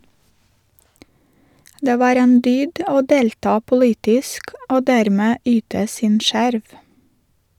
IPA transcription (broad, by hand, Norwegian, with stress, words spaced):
ˈdeː ˈʋɑːɾ ˈeːn ˈdyːd ˈoː ˈdeːltɑː pʊˈliːtɪsk ˈoː ˈdæːɾmeː ˈyːtə ˈsiːn ˈʃæɾʋ